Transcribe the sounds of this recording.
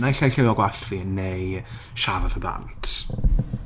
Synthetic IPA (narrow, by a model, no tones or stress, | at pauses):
najɬajɬɪwɔɡwaɬvinːej | ʃavɔvəba̰ntʰ